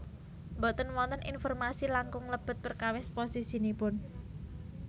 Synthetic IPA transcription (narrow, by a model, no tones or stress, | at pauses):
mbot̪ənwɔnt̪ənḭnfɔrmasilaŋkʊŋləb̥ə̤t̪̚b̥ərkawɪsposisinipʊn